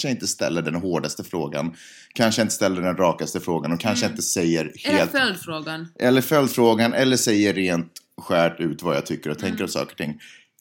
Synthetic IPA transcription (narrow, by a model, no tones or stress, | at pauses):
ʂəɪnt̪əst̪ɛ̰lːəɖɛnɦoːɖast̪əfɾoːɡa̰n | kʰanʂəɪnt̪əst̪ɛlːəɖɛnɾɑːkast̪əfɾoːɡanɔkʰanʂəɪnt̪əsɛjːəɾheːlt̪ld̪fɾoːɡanʔɛlːəɾfœld̪fɾoːɡanʔɛlːəʂɛjːəɾeːnt̪ɧæːʈʉ̟ːt̪vaja̰t̪ʰʏkːəɾɔt̪ʰɛŋkəɾɔmsɑ̰ːkəɾɔʈ̪ɪŋː